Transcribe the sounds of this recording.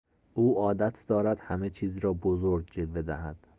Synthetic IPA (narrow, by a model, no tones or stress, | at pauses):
ʔuːɒːd̪æt̪ʰd̪̥ɒːɾæd̪̥hæmet͡ʃʰiːzɾɒːbozoɾɡ̚d͡ʒelve̞d̪æhæd̪̥